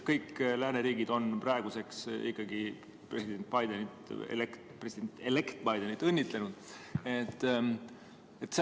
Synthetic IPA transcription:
kɤjkːlæːneɾiːɡid̪̥o̞nprɑeɡ̥use̞ksḭkːɑɡi | pre̞sid̪̥e̞nt̪̚ˑbɑjd̪e̞nit̪ḛlekt | presid̥̪ent̪ːelekt̪̚bɑjd̪e̞nit̪ːˑɤnʲːit̪le̞nud̪̥et̪ː | et̪ːse

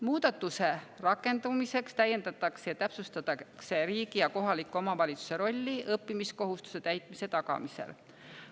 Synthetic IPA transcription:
muːd̪ɑt̪ːˑuse̞rɑkːˑe̞nd̪umise̞kst̪æjːe̞nd̪ɑt̪ːˑɑksejɑt̪æpsust̪ɑt̪ɑkse̞ɾiːɡijɑko̞ɦɑlikːˑuomɑvɑlʲit̪su̥se̞ɾo̞lʲːiʔɤpːimisko̞ɦust̪u̥se̞t̪æjt̪ˑmise̞t̪ɑkɑ̰mise̞̰l

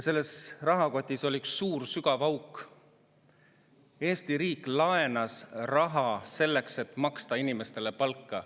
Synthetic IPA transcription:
se̞lːe̞srɑɦɑko̞t̪ʲˑːiso̞lʲiksːuːrsyɡɑvɑwk | e̞ːst̪iɾiːkˑlɑe̞nɑsrɑɦɑse̞lːe̞kse̞t̪ˑmɑkst̪ɑinime̞st̪e̞lepɑlkːɑ

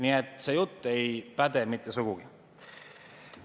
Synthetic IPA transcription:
niet̪ːˑse̞jut̪ˑːe̞jpæd̪e̞mit̪ˑːesuɡ̥uɡ̥i

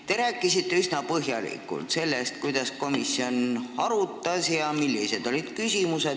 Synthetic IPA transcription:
t̪e̞ɾæːkˑːisit̪ːe̞ysnɑpɤɦjɑlḭkːˑṵlt̪se̞lːest̪̚kujd̪̥ɑsko̞misːio̞nɑɾut̪ˑːɑsjɑmilːise̞d̪̥o̞lid̪̥kysʲimuse̞d̪

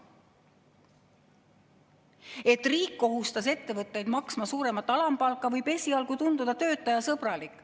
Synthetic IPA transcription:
e̞t̪ːˑriːkːo̞ɦust̪ɑs̬e̞t̪ːe̞vɤt̪ːˑe̞jd̪mɑksmɑsuːɾe̞mɑt̪ːˑɑlɑmpɑlkːˑɑvɤjb̥e̞sʲiɑlɡ̥ut̪und̪ud̪ɑt̪ø̞ːt̪ːˑɑjɑsɤb̥rɑlikːˑ

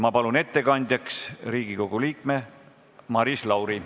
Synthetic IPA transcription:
mɑpɑlune̞t̪ːe̞kɑnʲd̪̥ʲjɑksriːɡ̥iko̞ɡ̥uliːkme̞ | mɑɾislɑwɾi

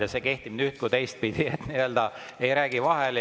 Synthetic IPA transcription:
ɑseke̞ht̪ib̥nyt̪̚kut̪e̞jst̪̚pid̪̥iet̪niø̞ld̪ɑ | ejɾæːɡ̥ivɑɦel

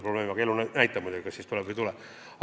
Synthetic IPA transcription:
probleːmiɑkelːunnæjt̪ːˑɑmujd̪uɡikɑsiːst̪ulɛbvəjt̪ulɛ

